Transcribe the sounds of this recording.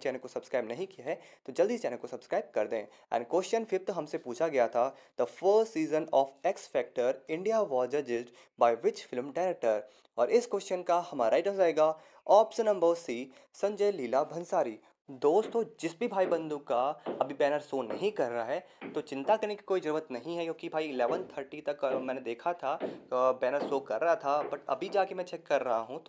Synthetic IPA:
t͡ʃɛːnəlkosɐbskɾaːɪbnɐɦĩkijaɦɛt̪od͡ʒɐld̪iːst͡ʃɛːnəlkosɐbskɾaːɪb̚kɐɾd̪ẽ | ɛ̰̃ːɳɖkwesʈənfʰɪɾ̚t̪oɦɐmsepuːt͡ʃʰaɡɐjat̪ʰad̪̥əfəːsʈsiːzə̃nɔːfeksfɛːk̚ʈəɾɪ̃ɳɖijaʋɔːd͡ʒəd͡ʒɪz | baːɪʋɪt͡ʃfɪlmʈɛːɾek̚ʈəɾ | ɔːɾʔɪskwɛsənkahɐma̰ːɾʔaiʈəzaːeːɡaː | ɔːpsə̃nːɐ̃mbəɾsiː | sɐ̃ɲd͡ʒəjliːlabʱɐ̃nsaːɾiː | d̪oːst̪õd͡ʒɪsbʱibʱaːibɐ̃nd̪ũkaɐbʱibɛːnəɾsoːnɐɦĩkɐɾːaɦɛt̪ot͡ʃɪ̃nt̪akɐɾneki̥koːid͡ʒɐɾuːʋət̪nɐɦĩɦɛkjõːkibʱaːiɪleːʋənt̪ʰəɾʈit̪ɐkmɛ̃ːned̪eːkʰat̪ʰabɛːnəɾsoːkɐɾːɐɦat̪ʰabɐʈɐ̰bʱid͡ʒaːkemɛ̃t͡ʃɛkːɐɾːɐɦaɦũt̪ː

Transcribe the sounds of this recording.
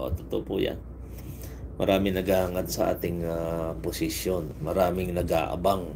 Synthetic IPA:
ʔo̰t̪ʊt̪oʔpʊja̰n | mɐɾaːmɪnɐɡahaŋad̪̚sɐʔa̰ːt̪ɪŋapʊsɪsjonmɐɾaːmɪŋnɐɡa̰ːʔɐ̰baŋ

